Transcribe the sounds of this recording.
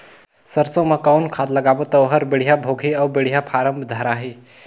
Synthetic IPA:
səɾsə̃məkawnkʰad̪ləɡabot̪əʋɦəɾbeɽ̤ijabʱoɡʱiɐwbeɽ̤ijapʰaɾəmbʱd̪ʱəɾaɦi

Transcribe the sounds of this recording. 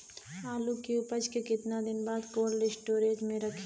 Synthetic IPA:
aːlukiʊpəd͡ʒkekɪt̪nad̪ɪnbaːd̪koːlːɪsʈoːɾeːd͡ʒmẽɾɐkʰi

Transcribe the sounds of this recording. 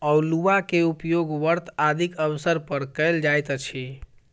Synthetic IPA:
awluʋakeupjoɡʋəɾt̪ʰad̪ʱikəʋsəɾpəɾkəjld͡ʒajt̪t͡ʃʰi

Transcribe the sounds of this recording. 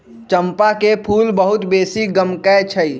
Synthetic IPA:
t͡ʃəmpakepʰuːlbəɦut̪beːsiɡəmkɛt͡ʃʰəi

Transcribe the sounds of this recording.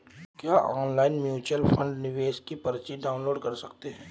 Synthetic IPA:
kjaːʔɔːnlaːɪnmjuːt͡ʃəlfʰɐ̃ɳɖnɪʋeːʃkipɐɾt͡ʃiɖaːʊnloːɖkɐɾsɐkt̪eɦɛ̃ː

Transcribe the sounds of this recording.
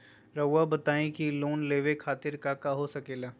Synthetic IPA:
ɾəʋabɐt̪aːẽkiloːnleːʋekʰaːt̪ɪɾkakaɦosɐkeːlaː

